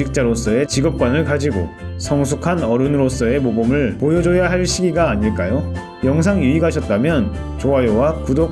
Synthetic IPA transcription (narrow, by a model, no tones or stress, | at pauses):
ik̚t͡ɕ͈aɾos͈ʌe̞t͡ɕiɡʌp̚k͈wanɯɭkad͡ʑiɡo̰sʰʌŋsʰukʰanʌɾɯnɯɾos͈ʌe̞mobomɯɭpojʌd͡ʑojaɦaɭɕ͈ʰiɡiɡaːɲiɭk͈ajo | jʌŋs̬ʰaŋjuiɡaɕʰʌt̚t͈amjʌn | t͡ɕoajowakudo